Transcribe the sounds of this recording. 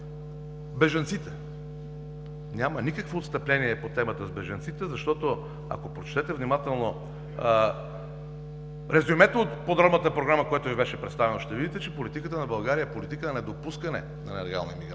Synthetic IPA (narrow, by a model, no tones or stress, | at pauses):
bɛʒɐnt̪sit̪ɛ | nʲjamənikəkvoːt̪st̪əplɛniɛpot̪ɛmət̪əzbɛʒɐnt̪sit̪ɛzɐʃt̪ɔt̪o | a̰kopɾot͡ʃt̪ɛt̪ɛvnimat̪ɛlˠno | ɾɛzumɛt̪ot̪pod̪ɾɔbnət̪əpɾoɡɾaməkojat̪ovibɛʃɛpɾɛt̪st̪avɛnoʃt̪ɛvid̪it̪ɛt͡ʃɛpolit̪ikət̪ənɐbɐlˠɡaɾijəpolit̪ikənɛd̪opuskənɛ̰ | nɐnɛlɛɡa̰lˠnimiɡ